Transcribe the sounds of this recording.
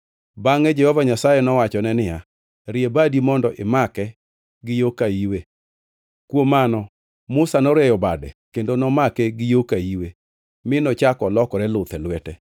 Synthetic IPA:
baŋɛd͡ʒɛhɔvaɲasajɛnɔwat͡ʃɔnɛnɪja | ɾɪebadimɔndɔʔɪmakɛ | ɡɪjokaiwe | kwomanɔ | mʊsanɔɾɛjɔbadɛ̰kendonɔmakɛɡɪjokaiwe | mɪnɔt͡ʃakɔlɔkɔɾɛlʊt̪ɛlwɛtɛ

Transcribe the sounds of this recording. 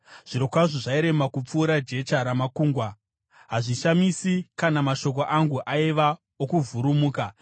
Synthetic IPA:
ʐ̥iɾo̞kwaʐoʐaiɾe̞makup͡fuːɾad͡ʒe̞t͡ʃaɾamakuːŋɡwa | ɦaʐiʃamisikanamaʃo̞k̬o̞ʔaŋɡuʔaiʋa | okuvʱuɾumuːka

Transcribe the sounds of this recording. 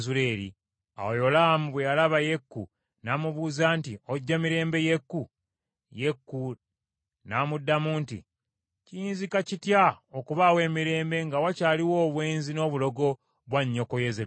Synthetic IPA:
zule̞ːɾḭ | a̰wojo̞lamuβwejalaβaje̞kːu | naːmuβuːzaːntio̞ɟːamiɾe̞ːmbe̞je̞kːu | je̞kːu | naːmudːamuːntḭ | cijiːnzikacitjaokuβawe̞ːmiɾe̞ːmbe̞ŋɡawacaːliwo̞ːβwe̞ːnzino̞ːβulo̞ɡo̞ | βwaɲːo̞kojeze

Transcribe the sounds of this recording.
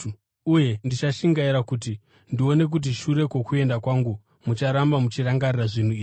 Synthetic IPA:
uje̞ndit͡ʃaʃiŋɡaiɾakut̬i | ndio̞ne̞k̬ut̬iʃuɾe̞ko̞kue̞ndakwaːŋɡu | mut͡ʃaɾambamut͡ʃiraŋɡariraʐin̤uiːʐ

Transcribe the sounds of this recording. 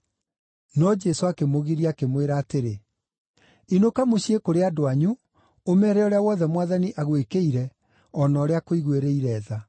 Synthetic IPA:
nɔd͡ʒɛsoakemoɣiɾiakemweɾaːteɾe | inokamoɕiekoɾeadoaɲu | omɛɾɛɔɾeawɔðɛmwaðaniʔaɣwekeiɾɛ | ɔnɔːɾeakoiɣweɾeiɾɛːða

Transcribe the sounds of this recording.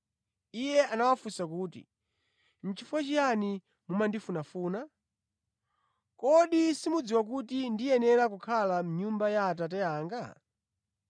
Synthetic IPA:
ijɛanawafusakuːtḭ | m̩t͡ʃifuwat͡ʃijani | mumandifunafuːna | kɔɗisimud͡ziwak̬utindijɛnɛɾakukʰalam̩ɲumbajaːtat̬ɛjaːŋɡa

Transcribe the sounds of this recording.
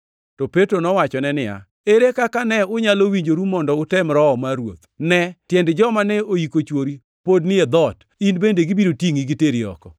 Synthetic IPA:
tɔpetɾonɔwat͡ʃɔnɛnɪa̰ | eɾekakanɛʊɲalowiɲd͡ʒoɾumɔndɔʊtɛmɾɔmaɾwo̰t̪nɛtjɛndd͡ʒɔmanɛoikot͡ʃwoɾi | podnɪed̪ɔt | inbendeɡibiɾotiŋiɡiteɾiɔ̰kɔ

